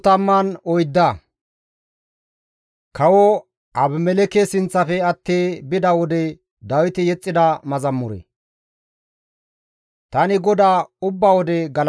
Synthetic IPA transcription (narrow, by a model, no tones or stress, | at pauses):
t̪ɐmːɐnɔjd̪ːɐ | kɐwɔ | ɐbmɛlɛkesɪnt͡sːɐfɛɐt̪ːeːbɪd̪ɐwɔd̪ɛ | d̪ɐwɪt̪ɪjɛt͡sʼːɪd̪ɐmɐzɐmːʊɾɛ̰ | t̪ɐnɪɡɔd̪aːʊbːɐwɔd̪ɛɡɐl